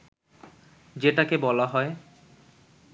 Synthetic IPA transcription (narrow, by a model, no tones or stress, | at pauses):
d͡ʑeʈakebɔlaɦɔe